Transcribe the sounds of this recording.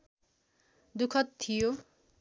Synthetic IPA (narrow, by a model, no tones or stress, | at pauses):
d̪ukʰʌt̪t̪ʰːijo